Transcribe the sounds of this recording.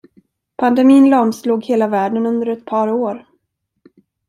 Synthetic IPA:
pʰand̪ɛmiːnlɑmsluːɡheːlavæːɖənɵnd̪əɾɛt̪̚pʰɑːɾoːɾ

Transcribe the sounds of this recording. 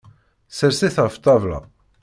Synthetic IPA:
səɾsiθaft̪ˤːɑvlɑ̰

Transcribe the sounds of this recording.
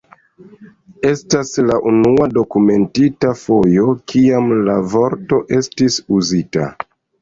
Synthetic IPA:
e̞staslaʔunuado̞kume̞ntitafo̞jo̞kʰiamlavo̞ɾto̞ʔe̞stisuzita̰

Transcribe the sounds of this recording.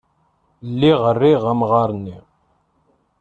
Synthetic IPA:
lːiʁərːiʁamʁɑɾˤnːi

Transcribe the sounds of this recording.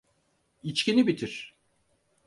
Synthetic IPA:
it͡ʃcʲinibit̪ʰiɾ̥

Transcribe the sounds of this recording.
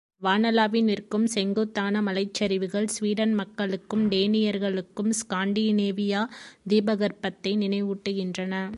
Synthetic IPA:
ʋaːnɐlaːʋɪnɪrkɯmsɛŋɡoːt̪ːaːnɐmɐlɐɪt͡ʃːɐɾɪʋɯɣɐɭsʋiːɽɐnmɐkːɐɭɯkːɯmɖ̪eːnɪjɐɾɣɐɭɯkːɯmskaːɳɖiːneːʋɪjaːd̪iːbɐɣɐɾpɐt̪ːɐɪnɪnɐɪʋɯʈːɯɣɪndrɐnɐ

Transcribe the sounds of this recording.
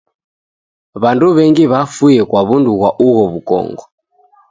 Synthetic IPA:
βanduβɛŋɡiβafujɛkwaβunduɣwaʔuɣɔβukɔ̰ŋɡɔ

